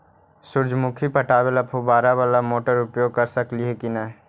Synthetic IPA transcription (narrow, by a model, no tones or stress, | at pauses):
sʊɾd͡ʒʱmʊkʰipəʈaːʋeləpʰobaːɾaʋaːlamoːʈəɾʊpjoːɡ̚kəɾsəkliɦekinəɦ